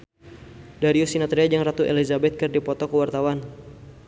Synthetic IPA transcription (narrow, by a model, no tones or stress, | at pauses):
daɾiusinat̪ɾead͡ʒaŋrat̪uʔḛlizabɛt̪̚kərdipɔt̪ɔkəwart̪awan